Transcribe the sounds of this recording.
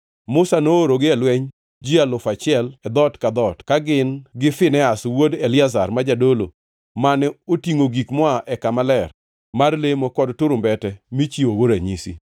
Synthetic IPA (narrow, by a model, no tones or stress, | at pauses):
mʊsanooɾoɡɪɛlwɛɲ | d͡ʒialʊfat͡ʃɪɛlɛd̪ɔtkad̪ɔtkaɡɪnɡɪfɪnɛaswodɛlɪazarmad͡ʒadolo̰ | manɛotiŋoɡikmɔaʔɛkamalɛr | marlemokɔdtʊɾʊmbɛtɛmit͡ʃiowoɾaɲisḭ